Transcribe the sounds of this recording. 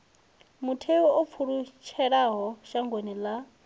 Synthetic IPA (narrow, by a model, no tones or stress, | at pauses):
mutʰewɔʔop̪fʰuɺut͡ʃʰɛɺaɦɔʃaŋɡwenila